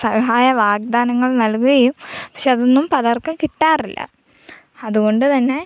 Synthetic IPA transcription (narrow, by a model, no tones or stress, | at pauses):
sɐɦaːjɐʋaːɡ̚d̪aːnɐŋːɐɭnɐlkuɣɐjumpɐ̥kʂeɐðonːumpɐðɐrkɐmkiʈːaːrilːɐ̰ | ɐðuɣo̞ɳɖɨt̪ɐnːe̞